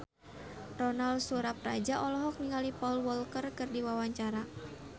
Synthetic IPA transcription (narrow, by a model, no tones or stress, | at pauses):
rɔnaldsuɾap̚ra̰d͡ʒaʔɔlɔɦɔk̚niŋalipɔlwɔlkərkɨrdiwawaɲt͡ʃaɾa